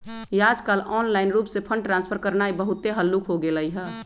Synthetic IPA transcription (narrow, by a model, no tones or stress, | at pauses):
jad͡ʒkalɔːnlaɪnɾuːpsepʰə̃ɳɖʈɾãnspʰəɾkəɾnaibəɦut̪ːeɦəlːukʰɦoɡeləiɦɛ